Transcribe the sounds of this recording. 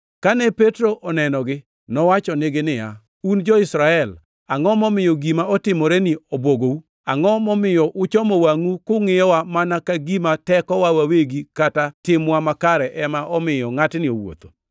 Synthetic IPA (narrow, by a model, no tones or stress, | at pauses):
kanɛpetɾoʔɔnɛnɔɡɪ | nɔwat͡ʃɔneɡenɪja̰ | und͡ʒɔɪsɾaɛl | aŋɔmɔmɪjɔɡimaɔtɪmɔɾɛnɪobwoɡou | aŋɔmɔmɪjɔʔʊt͡ʃɔmɔwaŋukʊŋɪjɔwamanakaɡimatɛkɔwawaweɡikatatɪmwamakaɾɛʔɛmaʔɔmɪjɔŋatnɪo̰wo̰t̪o̥